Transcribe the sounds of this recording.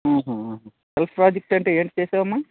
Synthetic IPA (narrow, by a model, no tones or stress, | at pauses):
ɦuːɦuɦːɦ | selpʰpɾaːd͡ʒek̚ʈɐɳʈeːeːɳʈt͡ʃeːsaːʋɐmːa